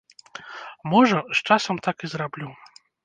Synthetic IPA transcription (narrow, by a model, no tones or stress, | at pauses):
mɔʐɐst͡ʂasɐmt̪akizɾablʲu